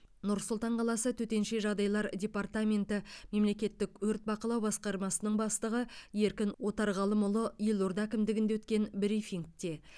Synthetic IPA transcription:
nʊɾsʊlˠt̪ɑɴqʰɑlˠɑsət̪ʰɵt̪e̞nʃe̞ʒɑʁd̪ɑjlˠɑɾdʲe̞part̪amʲe̞nt̪ɪme̞mle̞kʲe̞t̪ːɪkwʰɵɾt̪̚bɑqəlˠɑwbɑsqɑɾmɑsənəɴbɑst̪əʁəje̞ɾkʲɪnwo̞t̪ɑɾʁɑlˠəmʊlˠəielˠoɾd̪ɑækʲɪmd̪ɪɡʲɪnd̪ewɵt̪kʲe̞nbɾifiŋkt̪e̞

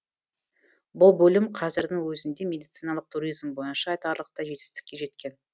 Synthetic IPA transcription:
bʊlˠbɵlɪmqʰɑzɪɾd̪ɪŋwɵzɪnd̪e̞mʲe̞d̪ijt̪sijnɑlˠəq̚t̪ʰuɾijzmbo̞jənʃɑːjt̪ɑɾlˠəq̚t̪ɑʒe̞t̪ɪ̥st̪ɪ̥kʲːe̞ʒe̞t̪kʲe̞n

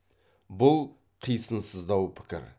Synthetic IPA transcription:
bʊlˠ | qʰijsənsəzd̪ɑwpʰɪ̥kʲɪ̰ɾ

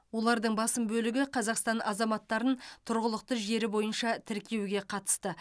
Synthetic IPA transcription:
wo̞lˠɑɾd̪əɴbɑsəmbɵlɪɡʲɪqʰɑzɑqst̪ɑnʔɑzɑmɑt̪ːɑɾənt̪ʰʊɾʁəlˠəq̚t̪əʒe̞ɾɪbo̞jənʃɑt̪ʰɪɾkʲʰe̞wɡʲe̞qʰɑt̪ə̥st̪ə

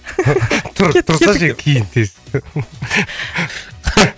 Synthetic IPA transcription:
t̪ʰʊɾt̪ʰʊɾsɑʒekʲʰijɪnt̪ʰes

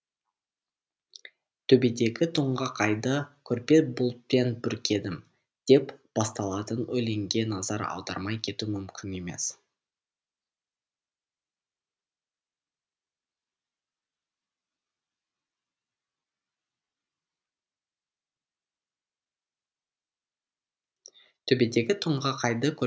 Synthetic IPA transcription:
t̪ʰɵbe̞d̪e̞ɡʲɪt̪ʰʊɴʁəqʰɑjd̪əkʲʰɵɾpe̞bʊlˠt̪̚penbʏɾkʲʰe̞d̪ɪm | d̪̥e̞pb̥ɑst̪ɑlˠɑt̪ənɵle̞ŋɡʲe̞nɑzɑɾɑ̰wˠd̪ɑ̰ɾmɑjkʲʰe̞t̪umʏmkʲɪne̞me̞̰s | t̪ʰɵbe̞d̪e̞ɡʲɪt̪ʰʊɴʁəqʰɑjd̪əkʲʰɵ

